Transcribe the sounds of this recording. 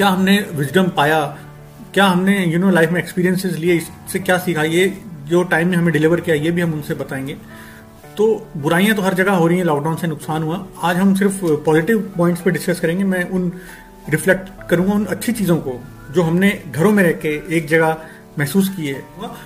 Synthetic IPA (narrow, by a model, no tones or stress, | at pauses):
kjaːɦɐmneʋɪd͡ʒɖəmpaːja | kjaːɦɐmnejunoːlaːɪfmẽːkspiːɾijə̃nsɪzlieɪs | sekjaːsiːkʰajed͡ʒoːʈaːɪmːẽɦɐmẽɖɪlɪʋəɾkijajebʱiɦɐ̃mʊnsebɐt̪aːẽːŋɡeː | t̪oːbʊɾaːijãt̪̬oɦɐɾd͡ʒɐɡaɦoːɾɐɦĩɦɛ̃lɔːk̚ɖaːnsenʊksaːnɦuãaːd͡ʒɦɐms̬ɪɾfpɔːzɪʈɪʋpɔːɪ̃ɳʈspeɖɪskɐskɐɾẽːŋɡemɛ̃ʔʊn | ɾɪflɛk̚ʈkɐɾũːŋɡaʊnɐtːʃʰit͡ʃiːzõko | d͡ʒoːɦɐmneɡʱɐɾõmẽɾɛɦkeeːk̚d͡ʒɐɡa | mɛɦsuːs̬kieː